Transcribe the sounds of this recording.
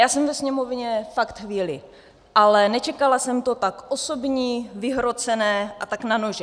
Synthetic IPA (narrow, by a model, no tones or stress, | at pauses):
jaːsɛmvɛsɲɛmo̞vɲɛfakt̪xviːlɪ | ʔalɛnɛt͡ʃɛkalasɛmt̪o̞t̪akʔosobɲiːvɪɦɾo̞t͡sɛnɛːʔa̰t̪aknanoʒɛ